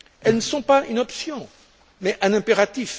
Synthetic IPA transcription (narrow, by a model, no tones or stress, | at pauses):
ɛlnəsɔ̃paʔynɔpsjɔ̃ | mɛʔɛ̃nɛ̃peʁat̪if